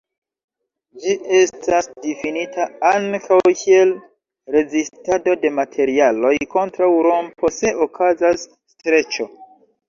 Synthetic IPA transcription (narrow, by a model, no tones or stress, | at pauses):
d͡ʒie̞stasdifinitʰaaŋkʰawkʰie̞l | ɾe̞zistado̞de̞matʰe̞ɾialo̞jko̞ntɾawɾompʰo̞se̞ʔokʰazasː | tɾe̞t͡ʃo̞